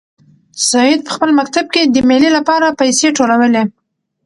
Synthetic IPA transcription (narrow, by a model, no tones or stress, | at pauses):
sɑjɪd̪̚pə̥xpəlmak̚t̪ab̚ked̪əmelilapɑɾapajseʈolawəle